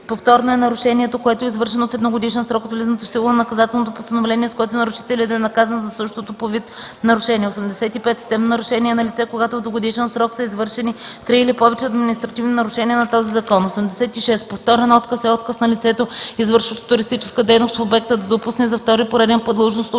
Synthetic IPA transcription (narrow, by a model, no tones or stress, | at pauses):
poft̪ɔɾnoɛnɐɾʊʃɛniɛt̪okoɛt̪oɛizvɤɾʃɛnofɛd̪noɡod̪iʃɛnsɾɔkot̪vlizənt̪ofsilˠonɐnɐkɐzat̪ɛlˠnot̪opost̪ɐnovlɛniɛskoɛt̪onɐɾʊʃi̥t̪ɛliəd̪ɐɛnɐkazɐnzɐsɤʃt̪ot̪opovit̪ | nɐɾʊʃɛnʲiɛosɛmd̪ɛsɛt̪ipɛt̪st̪ɛmnnɐɾʊʃɛniɛnɐlit̪sɛkoɡat̪ovd̪voɡod̪iʃɛnsɾɔksɐizvɤɾʃɛnit̪ɾiːlipɔvɛt͡ʃɛɐd̪minʲist̪ɾɐt̪ivninɐɾʊʃɛniɛnɐt̪ɔzizɐkɔnosɛmd̪ɛsɛt̪iʃɛspoft̪ɔɾɛnɔt̪kəsɛɔt̪kəsnɐlit̪sɛt̪oizvɤɾʃvɐʃt̪o̥t̪ʊɾist̪it͡ʃɛ̥skəd̪ɛjnost̪fobɛk̚t̪əd̪ɐd̪opusnɛzɐft̪ɔɾipoɾɛd̪ɛnpod̪lˠʒnost̪o